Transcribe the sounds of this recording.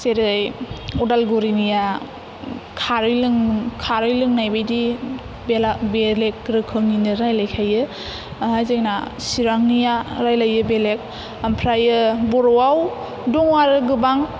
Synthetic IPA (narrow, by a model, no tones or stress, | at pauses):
seɾezajɔdalɡuɾinija | kʰaɾɯjlɯŋkʰaɾɯjlɯŋnajbajdi | belabelek̚ɾɯkʰɯŋninɯɾajlajkʰajɯ | hajzajnasiɾaŋnijaɾajlajɯbelek̚ | ampʰɾajɯbɔɾɔwaw | dɔŋwaɾɯɡɯbaŋ